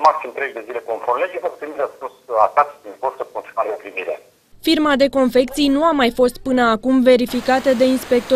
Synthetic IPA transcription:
maksimt̪ɾeʒd̪e̞zile̞konforled͡ʒefəkut̪unilasposat̪at̪d̪inpoɾt̪əkont̪inaɾeopɾimiɾḛ | firmad̪e̞ko̞nfe̞kt̪sijnuamajfo̞st̪̚pɨnəakumve̞ɾifikat̪əd̪e̞inspe̞k̚t̪o

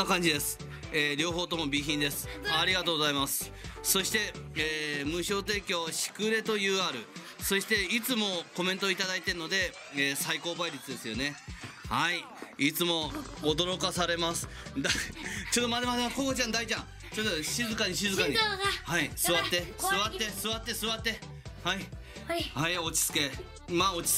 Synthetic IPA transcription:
akãɲ̟d͡ʑid̪e̞sɨ̥ | eːɾʲo̞ːɦo̞ːt̪o̞mo̞bʲiçĩnd̪e̞sɨ̥aɾʲiɡat̪oːɡo̞zaimasɨ̥ | so̞ɕi̥t̪e̞eːmɯ̟ɕo̞ːt̪e̞ːkʲo̞ɕi̥kɯ̟ɾe̞t̪o̞jɯ̟ːaːɾɯ̟ | so̞ɕi̥t̪e̞it͡sɨmo̞ko̞ment̪oit̪ad̪ait̪enːo̞d̪e̞ | eːsaiko̞ːbaiɾʲit͡sɨd̪e̞sɨjo̞ne̞hai | it͡sɨmo̞ːd̪o̞ɾo̞kasaɾe̞masɨ̥ | d̪at͡ɕo̞ːd̪omad̪emad̪eakoɡot͡ɕãnd̪ait͡ɕãŋ | t͡ɕot̪ːoɕizɨkaɲiɕizɨkaɲihaisɨβat̪ːe̞sɨβat̪ːe̞sɨβat̪ːe̞sɨβat̪ːe̞ | hai | haio̞t͡ɕi̥t͡sɨ̥ke̞ | mao̞t͡ɕi̥

